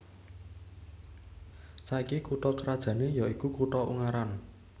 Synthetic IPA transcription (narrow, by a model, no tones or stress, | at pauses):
saikikuʈɔkəɾad̥ʒ̥ä̤nejaikukuʈɔṵŋaɾan